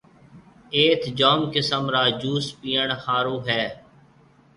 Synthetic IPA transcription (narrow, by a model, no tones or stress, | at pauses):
eːt̪ʰd͡ʒaːmkɪsəmɾaːd͡ʒuːspiːəɳhaːɾuːɦɛː